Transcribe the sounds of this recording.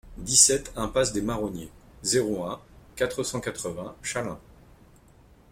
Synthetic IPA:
d̪isɛt̪ɛ̃pasd̪emaʁɔnjezeʁoɛ̃kat̪χəsɑ̃kat̪χəvɛ̃ʃalɛ̃

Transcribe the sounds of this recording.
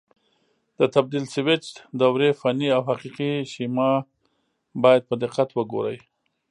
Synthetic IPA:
d̪̥ət̪ab̚d̪ilsɪwɪt͡ʃd̪awɾefanːiawhaqiqiʃimɑ | bɑjad̪̚pəd̪ɪqːat̪wəɡo̰ɾə̰j

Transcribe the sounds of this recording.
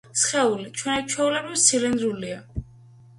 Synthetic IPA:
sχɛulit͡ʃʰwɛnit͡ʃʰwɛulɛbɾivsilind̪ɾulia

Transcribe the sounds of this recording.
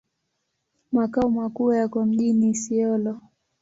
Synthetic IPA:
makaumakuːjakɔm̩ʄinisiɔlɔ

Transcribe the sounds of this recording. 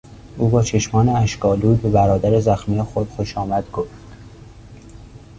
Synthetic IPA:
ʔuːbɒːt͡ʃʰe̞ʃmɒːneæʃkɒːluːjbe̞bæɾɒːd̪æɾezæxmiːjexod̪̥xoʃɒːmæd̪̥ɡofd̪

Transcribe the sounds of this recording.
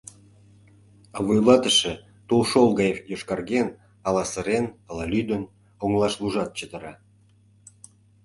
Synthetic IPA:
ɑvojlɑt̪əʃĕ | t̪ulʃolˠɣɑjefjoʃkɑrɣen | ɑlɑsə̆ɾenɑlɑlʲyd̪ə̆n | oŋlˠɑʃluʒɑt̪̚t͡ɕəd̪ə̆ɾɑ

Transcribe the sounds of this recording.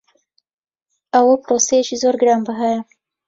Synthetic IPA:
awəpɾosejeʃizoɾɡɾɑmbəɦaja

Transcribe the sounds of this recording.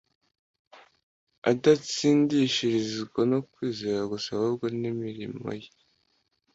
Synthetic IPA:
adat͡siːndiʃiɾiziɡonokwiːzeɾaɡusahubɡonimiɾimo̰je

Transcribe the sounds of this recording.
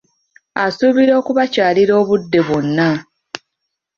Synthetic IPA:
asuβiɾo̞ːkuβacaːliɾo̞ːβudːe̞βwo̞nːa

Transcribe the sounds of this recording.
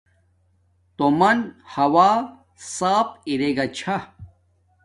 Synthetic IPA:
t̪omɐnhɐwaː | saːpiɾeɡɐt͡ɕʰa

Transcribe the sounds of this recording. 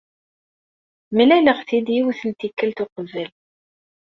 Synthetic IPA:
milæləʁθid̪jiwθənt̪ikːælt̪ʊqəvəl

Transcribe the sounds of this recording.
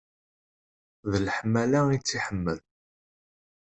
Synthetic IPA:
ðəlħmælait͡sːiħəmːəð

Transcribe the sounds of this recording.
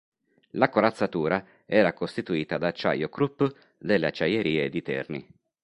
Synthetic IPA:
lakoɾat̪sːat̪uːɾa | ɛːɾakost̪it̪uiːt̪ad̪aːt͡ʃːa̰jokɾupː | d̪elːeat͡ʃːajeɾiːed̪it̪ɛ̰rni

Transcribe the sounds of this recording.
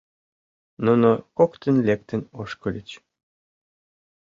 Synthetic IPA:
nunokokt̪ə̆nlʲek̚t̪ə̆noʃkɤ̆lʲit͡ɕ

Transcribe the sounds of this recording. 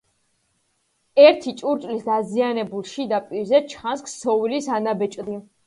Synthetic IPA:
ɛɾt̪ʰit͡ʃʼuɾt͡ʃʼlisd̪azianɛbulˠʃid̪apʼiɾzɛt͡ʃʰansksɔvilisanabɛt͡ʃʼd̪i

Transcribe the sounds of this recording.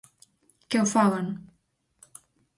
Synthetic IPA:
kewfalen

